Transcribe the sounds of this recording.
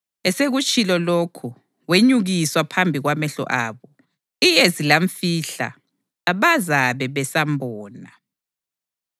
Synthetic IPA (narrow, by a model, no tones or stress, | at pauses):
ɛseɣut͡ʃʼilɔlokʰu | weɲuɣiswapʰambʱiɣwamɛɬɔ̰ʔaːβɔ | ijezilaɱfiɬa̰ː | βazaβɛβɛsambʱɔːna